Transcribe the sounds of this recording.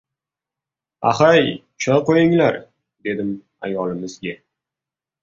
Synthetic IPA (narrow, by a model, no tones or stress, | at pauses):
a̰χaj | t͡ʃʰɒqojɪŋlaɾ | d̪e̞d̪ɪm | a̰jɒlɪmɪzɡʲa